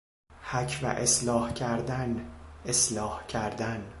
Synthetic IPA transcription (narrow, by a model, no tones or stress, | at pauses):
hæcʰvæ̰ʔeslɒːhcʰæɾd̪æneslɒːhcʰæɾd̪æn